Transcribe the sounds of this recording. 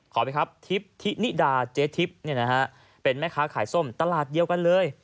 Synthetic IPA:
kʰɔː˩˦pa˧jkʰa˦˥p̚t̪ʰi˦˥p̚t̪ʰi˦˥ni˦˥daː˧t͡ɕeː˦˥t̪ʰi˦˥p̚ni˥˩ɐna˦˥ɦa˦˥ʔ | pe˧nmɛː˦˥˩kʰaː˦˥kʰaː˩˦jso˥˩mt̪a˧laː˨˩t̪̚di˧əwka˧nlɤː˧j

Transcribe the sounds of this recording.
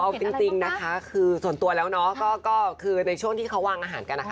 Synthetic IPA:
ʔɔ˧t͡ɕi˧ŋt͡ɕi˧ŋna˦˥kʰa˦˥kʰɯː˧su˨˩ə˦nt̪u˧ɐlɛː˦˥wnɔ˦˥kɔː˥˩kɔː˥˩kʰɯː˧na˧jt͡ɕʰu˥˩əŋt̪ʰiː˥˩kʰa˦˥waː˧ŋʔaː˧ɦaː˩˦nka˧nːa˦˥kʰa˦˥

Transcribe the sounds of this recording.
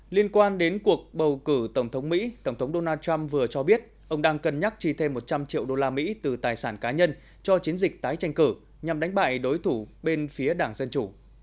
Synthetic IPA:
li˧ənkwaː˧nɗe˨˦nku˨˩ək̚ɓə˨˩wkɨ˧˩t̪ə˧˩wŋ͡mt̪ʰə˨˦wŋ͡mmḭ˧˥t̪ə˧˩wŋ͡mt̪ʰə˨˦wŋ͡mɗo˧naː˧t͡ɕa˧mvɨ˨˩ət͡ɕɔ˧ɓi˦˥ət̚ | ʔə˧wŋ͡mɗaː˧ŋkə˨˩nɲa˦˥k̚t͡ɕi˧˩t̪ʰe˧mːo˨˩t̚t͡ɕa˧mt͡ɕḭ˧˨əwɗo˧laː˧mḭ˧˥t̪ɨ˨˩t̪aː˨˩jsaː˧˩nkaː˨˦ɲə˧n | t͡ɕɔ˧t͡ɕi˨˦ənzï˨˩k̟̚t̪aː˨˦jt͡ɕa˧jŋ̟kɨ˧˩ | ɲa˨˩mɗa˨˦ŋ̟ɓa̰ː˧˨jɗo˨˦jt̪ʰu˧˩ɓe˧nfi˨˦əɗaː˧˩ŋzə˧nt͡ɕu˧˩

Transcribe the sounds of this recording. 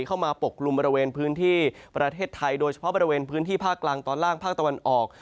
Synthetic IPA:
kʰa˥˩wmaː˧po˨˩kʰːlu˧mbɔː˧ɾi˧weː˧npʰɯː˦˥nt̪ʰiː˥˩pɾa˧t̪ʰeː˥˩t̪ʰːa˧jdoː˧jt͡ɕʰḁ˧pʰbɔː˧ɾi˧weː˧npʰɯː˦˥nt̪ʰiː˥˩pʰaː˥˩kːlaː˧ŋt̪ɔː˧nlaː˥˩ŋpʰaː˥˩k̚t̪a˧wa˧nʔɔː˨˩k̚

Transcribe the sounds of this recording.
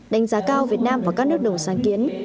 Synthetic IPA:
ɗa˨˦jŋ̟zaː˨˦kaː˧wvi˨˩ət̚naː˧mvaː˨˩kaː˦˥k̚nɨ˦˥ək̚ɗə˨˩wŋ͡msaː˨˦nki˨˦ən

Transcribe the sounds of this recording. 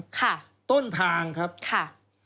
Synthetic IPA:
kʰa˥˩ | t̪o˥˩nt̪ʰaː˧ŋkʰɾa˦˥p̚kʰa˥˩

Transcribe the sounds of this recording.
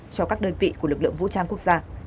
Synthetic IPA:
t͡ɕɔ˧kaː˦˥k̚ɗəː˧nvḭ˧˨ku˧˩əlɨ˨˩k̚lɨ̰˧˨əŋvṵ˧˥t͡ɕaː˧ŋku˦˥ək̚zaː˧

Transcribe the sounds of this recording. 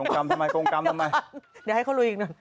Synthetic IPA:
ŋ˧ka˧mt̪ʰa˧ma˧ko˧ŋtka˧mt̪ʰa˧ma˧jdi˨˩ha˥˩kʰa˥˩wlu˧ji˧ŋnɔ˧˩

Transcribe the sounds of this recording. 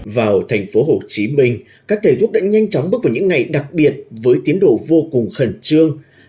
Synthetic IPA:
vaː˨˩wt̪ʰa˨˩jŋ̟fo˨˦ɦo˨˩t͡ɕi˨˦mï˧ŋ̟ | kaː˦˥kt̪ʰe˨˧˩t̪ʰu˦˥ək̚ɗa̰ː˧˥ɲa˧jŋ̟t͡ɕɔ˨˦wŋ͡mɓk̚vaː˨˩ɲɨ̰˧˥ŋːa˨˩jɗa˨˩k̚ɓi˨˩ət̚vəː˨˦jt̪i˨˦ənɗo̰˧˨vo˧kʊ˨˩ŋ͡mxə˧˩nt͡ɕɨ˧əŋ

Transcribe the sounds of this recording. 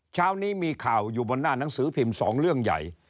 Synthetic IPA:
t͡ɕʰaː˦˥wniː˦˥miː˧kʰaː˨˩wjuː˨˩bo˧nːaː˥˩na˩˦ŋsɯː˩˦pʰi˧msɔ̰ː˩˦ŋɾɯ˥˩əŋja̰˨˩j

